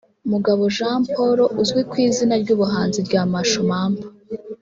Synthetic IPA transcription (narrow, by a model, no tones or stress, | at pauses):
umuɡaβo̞ʒaːmpo̞ɾo̞ʔuzɡwikwiːzinaɾɟuːβuɦaːnziɾɟaːmaʃomaːmba